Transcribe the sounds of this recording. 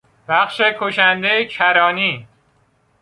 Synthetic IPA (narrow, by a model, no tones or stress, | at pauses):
b̥æχʃekʰoʃænd̪ejecʰæɾɒːniː